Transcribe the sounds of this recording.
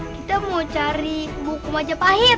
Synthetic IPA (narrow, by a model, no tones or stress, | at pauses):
kit̪amot͡ʃaɾibukumad͡ʒapaɦi